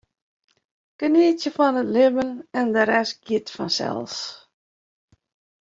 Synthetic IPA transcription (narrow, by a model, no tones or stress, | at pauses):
kəniətjəfɔnətlɪvənɛndəɾɛsɡjitfɔ̰nsɛ̰lˠs